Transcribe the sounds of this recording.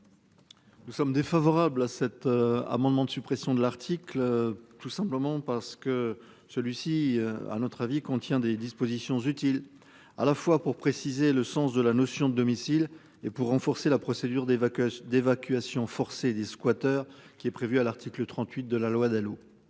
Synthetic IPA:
nusɔmd̪efavɔʁablasɛt̪a̰mɑ̃d̪mɑ̃d̪əsypχɛsjɔ̃d̪əlaʁt̪ʰiklt̪usɛ̃pləmɑ̃paʁsə̥kə | səlɥisia̰nɔt̪χavikɔ̃t̪jɛ̃d̪ed̪ispozisjɔ̃zyt̪il | a̰lafwapuʁpχesizeləsɑ̃sd̪əlanɔsjɔ̃d̪əd̪ɔmisil | epuʁːɑ̃fɔʁselapχɔsed̪yʁd̪d̪evakʲɥasjɔ̃fɔʁsed̪eskwat̪œʁkʲiɛpχevyalaʁt̪ʰiklət̪χɑ̃t̪ɥit̪̚d̪əlalwad̪alo

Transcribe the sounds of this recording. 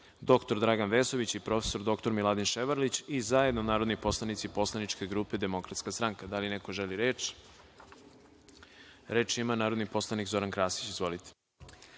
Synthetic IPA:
d̪o̞kt̪o̞ɾd̪ɾaɡanʋeːso̞ʋit͡ɕipɾo̞fe̥so̞ɾd̪o̞kt̪o̞ɾmilˠad̪inʃeʋaɾlit͡ɕizae̞d̪nonaːɾo̞d̪nipo̞slˠanit̪sipo̞slˠanit͡ʃke̞ɡɾuːped̪e̞mo̞kɾat̪skast̪ɾaŋkad̪alinekoʒeliɾeːt͡ʃ | ɾe̞ːt͡ʃimanaːɾod̪nipo̞slˠanikzo̞ɾankɾaːsi̥t͡ɕizʋo̞lit̪e̥

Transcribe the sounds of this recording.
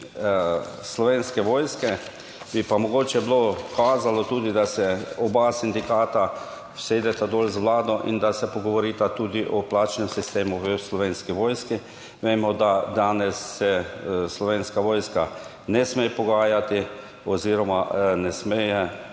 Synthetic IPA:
slɔʋenskɛʋoːjskɛ | b̥ipamɔɡoːt͡ʃɛblokaːzalɔt̪uːd̪id̪asɛɔbasind̪ikaːt̪a | wseːd̪ɛt̪ad̪oːlzʋlaːd̪ɔʔind̪asɛpɔɡɔʋɔɾiːt̪at̪uːd̪iʔɔplaːt͡ʃnɛmsist̪eːmuʋəslɔʋeːnskiʋoːjski | ʋeːmɔd̪ad̪aːnɛsːɛslɔʋeːnskaʋoːjska | nɛsmejpɔɡaːjat̪i | ɔziːɾɔmanɛsmeːjɛ

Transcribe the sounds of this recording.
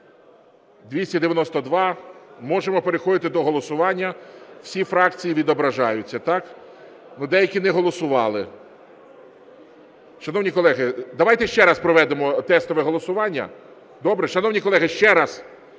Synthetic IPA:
d̪ʋʲisʲɐd̪eʋʲjɐnɔst̪ɔd̪ʋɑmɔʒemɔpe̞ɾexɔd̪ɪt̪ɪd̪ɔɦɔlˠɔsʊʋɑnʲːɐw̥sʲifɾɑk̚t͡sʲijiʋʲid̪ɔbɾɐʒɑjʊt͡sʲːɐt̪ɑk | nud̪ɛjɐkʲinɛɦɔlˠɔsʊʋɑ̰lˠɪ | ʃɐnɔwnʲikɔlˠɛɦɪd̪ɐʋɑjt̪ɛʃt͡ʃɛɾɑspɾɔʋɛd̪emɔt̪ɛst̪ɔʋɛɦɔlˠɔsʊʋɑnʲːɐ̰ | d̪ɔbɾɛʃɐnɔwnʲikɔlˠɛɦɪʃt͡ʃɛɾɑz

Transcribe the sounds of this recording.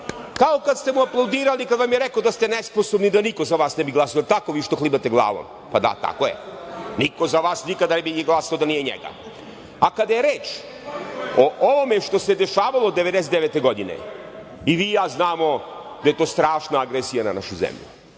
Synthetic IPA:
kaokat̪st̪e̞muaplˠawd̪iːɾalikad̪ʋamjeɾekod̪ast̪enespo̞sobnid̪aniko̞zaʋaːsnɛbiɡlˠasiot̪akoʋiːʃt̪o̞xlˠibat̪eɡlˠa̰ːʋo̰m | pad̪a̰t̪a̰kojḛniko̞zaʋaːsnikad̪anebinijeɡlˠasaod̪anijeɲḛɡa̰ | akad̪ajeɾeːt͡ʃ | oʔoʋomeʃt̪o̞se̞d̪eʃaːʋalˠod̪ːeed̪eset̪eeːt̪eɡo̞d̪inḛ | iʋiːjaːznaːmo̞ | d̪aje̞t̪oːst̪ɾaːʃnaaɡɾesijana̰na̰ʃuzḛmʎṵ

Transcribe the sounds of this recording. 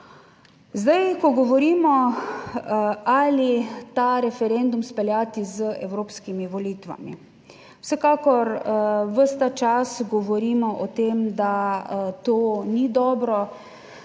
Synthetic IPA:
zd̪ajkɔɡɔʋɔɾiːmɔ | alit̪aɾɛfɛɾend̪umspɛlʲjat̪izəʔɛwɾoːpskimiʋɔliːt̪ʋa̰mḭ | wsɛkaːkɔɾʋəst̪at͡ʃasɡɔʋɔɾiːmɔʔɔt̪eːmd̪at̪oːnid̪ɔːbɾɔ

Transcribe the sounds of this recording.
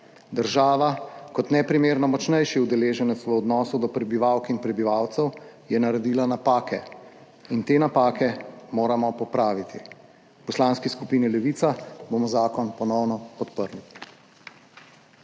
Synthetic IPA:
d̪əɾʒaːʋakɔt̪nɛpɾimeːɾnɔmɔt͡ʃnɛjʃiud̪ɛleːʒɛnɛt̪sʋəɔd̪nɔːsud̪ɔpɾɛbiʋawkinpɾɛbiʋawt̪sɛwjɛnaɾɛd̪iːlanapaːkɛ | int̪eːnapaːkɛmoːɾamɔpɔpɾaːʋit̪ʰi | pɔslaːnskiskupiːnilɛʋiːt̪saboːmɔzaːkɔnpɔnɔwnɔpɔt̪pəɾni

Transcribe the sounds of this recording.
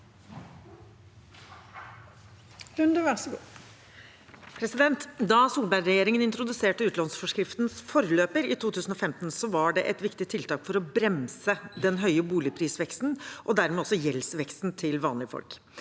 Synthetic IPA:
lʉnd̪əʋæʁsɡu | pʰɾɛsɪd̪ɛnt̪d̪ɑsuːlbæɪɾɛjeːɾɪŋənɪnt̪ɾʊd̪ʉseːʈəʉːt̪lɑnsfɔʂkɾɪft̪nsfɔɾəløːpəɾɪt̪ʰuːt̪ʰʉːsn̩ɔfɛmt̪n̩sɔʋɑɖɛʔɛt̪ʋɪkt̪ɪt̪ʰɪlt̪ʰɑːkfɔɾɔbɾɛmsəd̪ɛnɦœʏəbuːlɪpʰɾiːsʋɛkst̪n̩ʔɔd̪æɾmeːɔsːɔjɛlsʋɛkst̪n̩t̪ʰɪlʋɑːnlɪəfɔ̰lk

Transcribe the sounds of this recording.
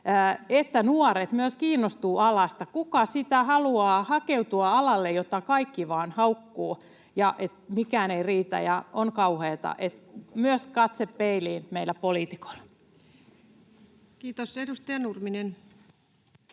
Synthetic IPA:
et̪ːænuɔret̪myøskiːnːost̪uːʔɑlɑst̪ɑkukɑsit̪æhɑluɑːhɑkeut̪uɑɑlɑlːejot̪ːɑkɑikːiʋɑːnhɑukːuː | jɑʔet̪mikæːneiriːt̪æ̰jɑ̰ʔonkɑuheːt̪ɑ̰ʔet̪myøskɑt̪sepːeiliːnmeilːˑæpoliːt̪i̥ko̥ilːɑ | kiːt̪osedust̪ɑjɑnurminen

